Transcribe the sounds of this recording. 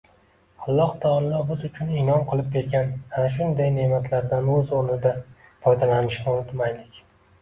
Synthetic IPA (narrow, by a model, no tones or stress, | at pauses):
alˠːɒhd̪ʰɒlːɒbɪzʊt͡ʃʰʊnɪnɒnqʰɨlˠɪp̚kʲʰe̞ɾɡʲanhanaʃ̬ʊnd̪ajne̞mat̪ʰlaɾd̪anɵzoɾnɪd̪a | fɒjd̪alanɪʃnɪonɪt̪majlɪkʲ